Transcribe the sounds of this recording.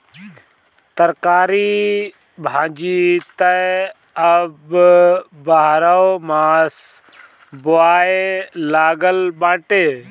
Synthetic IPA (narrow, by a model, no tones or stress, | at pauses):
t̪əɾkaːɾiː | bʱãːd͡ʒiːt̪ə | əb | baːɾəomaːs | bʊaːelaːɡəlɓãːʈeː